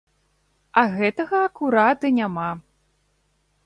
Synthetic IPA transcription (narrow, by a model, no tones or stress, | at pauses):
ɐɣɛt̪ɐɣɐːkuɾat̪ɨnʲama